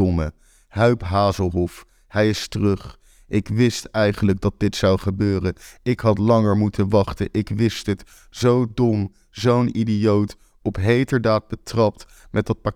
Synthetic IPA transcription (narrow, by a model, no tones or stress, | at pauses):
mə̰ | ɦœɥpɦaːzəlˠɦɔf | hɛjɪstərɵχ | ʔɪkʋɪstɛjχənləɡ̚dɑt̚dɪtsʌwχəbøːrənɪkɦɑtlɑŋəɹmutʰənʋɑχtənʔɪkʋɪstət | z̥owdɔm | zownidijowt | ɔpɦejtəɹdaːd̚bətrɑp̚t | mɛt̚dɑt̚pa